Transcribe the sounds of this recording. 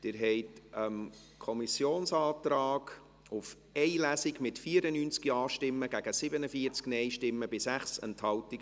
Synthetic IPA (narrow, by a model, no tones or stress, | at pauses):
d̥ɪɾɦɛɪtəm | kʰɔmisjoːnsɑːtɾɑːɡ̥ | ʊf | ɛɪlæsɪɡmɪtfiːəɾənyːnt͡skiɑːʃtɪmːəɡ̥æɡ̥əsɪbənəfiːəɾt͡sknɛɪʃtɪmːəbɪsæχsɛ̰nthɑltɪk